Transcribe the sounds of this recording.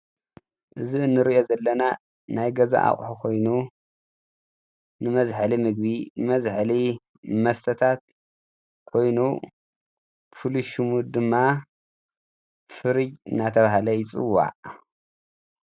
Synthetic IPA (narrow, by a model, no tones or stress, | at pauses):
ʔɨziɨnːɨɾiʔozɐlːɐna | najɡɐza̰ʔa̰χʼħukʰo̞jnu | nɨmɐzħalimɨɡ̚βinɨmɐzħli | mɐst̪ʰɐt̪ʰat̪ | kʰo̞jnu | fɨluʃɨmud̪ɨmːa | fɨɾɨd͡ʒɨ̰nːat̪ʰɐβahlɐjɪt͡sʼɨ̰wːa̰ʕ